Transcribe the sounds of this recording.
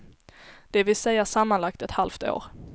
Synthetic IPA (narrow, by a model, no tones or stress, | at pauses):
d̪̥ɛvɪlsɛjːaʂamːanlak̚t̪ɛt̪halft̪o̰ːɾ